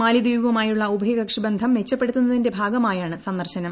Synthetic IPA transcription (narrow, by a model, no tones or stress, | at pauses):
maːlid̪iːʋʋɐmaːjuɭːɐubʱɐjɐɡɐkʂibɐnd̪ʱɐmʋe̞t͡ɕːɐpːe̞ɽut̪ːunːɐðinde̞bʱaːɡɐmaːjaːɳɨsɐnd̪ɐrɕɐnɐm